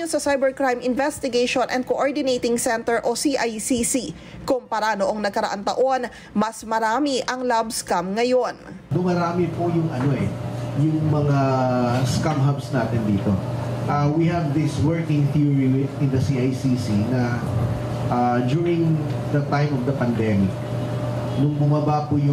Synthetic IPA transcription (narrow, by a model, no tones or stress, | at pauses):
osɐsajbɛɹkɹajmɪnvɛst̪ɪɡeʃonʔɛ̰nd̪koʔoɹd̪ɪnejt̪ɪŋsɛnt̪ɛɹʔosiʔajsisi | kompɐɾanoʔoŋnɐɡkɐɾɐʔant̪ɐʔo̞n | mɐsmɐɾaːmiʔɐŋlabskamŋɐjo̞nd̪ʊmɐɾaːmɪpojʊŋʔɐno̞ʔɛjʊŋmɐŋaskamɦɐbsnaːt̪ɪnd̪iːt̪o̞ʔɐwihɛvd̪ɪswɛɹkɪ̃ŋt̪iɹiwɪnd̪ɐsiʔajsisinɐ | ʔad͡ʒuːɹɪŋ | d̪ɐt̪ãjmɔvd̪ɐpɐnd̪ɛmɪk | nʊŋbʊmɐbapʊjʊ